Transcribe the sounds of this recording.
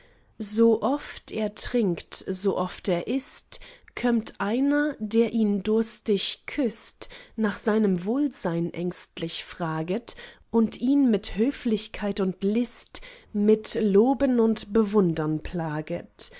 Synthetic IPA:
zoːʔɔfteːɐtʁ̥ɪŋktzoːʔɔfteːɐʔɪstkʰɔmtʔaɪnɐdeːɐʔiːndʊɐstɪçkʰʏstnaːχz̥aɪnəmvoːlzaɪnʔɛ̰ŋstlɪçfʁ̥aːɡətʔʊntʔiːnmɪthøːflɪçkʰaɪtʊntlɪstmɪtloːbənʊntb̥əvʊndɐnpʰl̥aːɡət

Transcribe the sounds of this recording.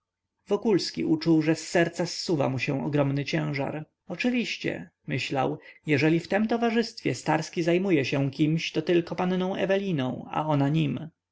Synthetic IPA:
vɔkulskʲḭʔut͡ʂuwʐɛsːɛɾt̪sasːuva̰muɕɛ̃ɔɡɾɔmnɘt͡ɕɛ̃w̃ʐa̰ɾ | ɔt͡ʂɘvʲiɕt͡ɕɛ̰ | mɘɕla̰wjɛʐɛlʲift̪ɛmt̪ɔvaʐɘst̪fʲjɛst̪aɾskʲizajmujɛɕɛ̃kʲimɕt̪ɔt̪ɘlkɔpannɔ̃w̃ɛ̰vɛlʲinɔ̰̃w̃a̰ɔnaɲim

